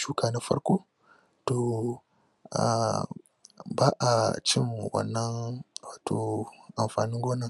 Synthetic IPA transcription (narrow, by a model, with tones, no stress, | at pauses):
ʃu˦ka˨na˦fa̰˦ɾko˦ | to˨ | a̰˨ | ba˦ʔa˨t͡ʃɪ˦n˨wɐ̰˦nːɐ˦nwaː˨tʰo˨ʔa˨mfaː˨ni˦ɡoː˦nɐ˨ŋ